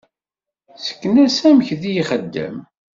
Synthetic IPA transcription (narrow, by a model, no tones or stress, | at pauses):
sə̥kːənæsæməçðijiχəd̪ːæ̰m